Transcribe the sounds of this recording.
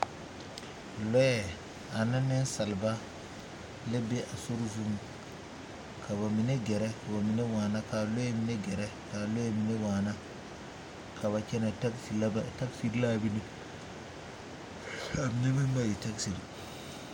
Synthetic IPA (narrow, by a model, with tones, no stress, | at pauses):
lɔ˦jɛ˨ | a˨na˦nɛ˦nsa˨lba˦ | lɪ˦bɛ˦ʔa˨so˦ɾzu˦m | kʰa˨βa˨mi˨nɛ˦ɡɛ˨ɾɛ˦ka˨ba˨mi˨nɛ˦waː˨na˦ka˨lɔ˦ɛ˦mi˨nɛ˦ɡɛ˨ɾɛ˦ka˨lɔ˦ɛ˦mi˨nɛ˦waː˨na˦ | kʰa˨βa˨t͡ʃɛ˦nɛ˨ta˦kfi˨la˦bta˦kfi˦ɾlaː˦bi˦ni˦ | a˨mi˨nɛ˦bɛ˦mba˦ji˨ta˦ksi˨ɾi˨